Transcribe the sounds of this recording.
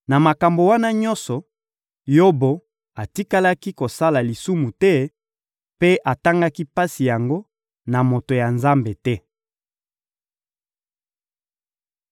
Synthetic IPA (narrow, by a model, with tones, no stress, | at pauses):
na˨ma˨ka˨mbo˨wa˦na˦ɲɔ˦nsɔ˨ | jo˦bo˨ | a˨ti˦ka˦la˦ki˦ko˨sa˦la˨li˨su˦mu˨tɛ˦ | pe˦ʔa˨ta˦ŋɡa˦ki˦pa˦si˨ja˨ŋɡo˦ | na˨mo˨to˨ja˨nza˦mbe˨tɛ˦